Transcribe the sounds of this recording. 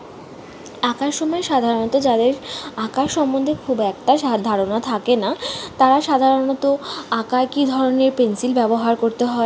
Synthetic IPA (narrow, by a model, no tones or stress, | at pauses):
akaɾʃʃɔmɔeʃad̪ʱaɾonɔt̪od͡ʑad̪eɾakaʃʃɔmːond̪ʱekʰubɛk̚ʈaʃd̪ʱaɾonat̪ʰakenat̪aɾaʃad̪ʱaɾonɔt̪oakakid̪ʱɔɾoneɾpensilbɛboɦaɾkoɾt̪eɦɔe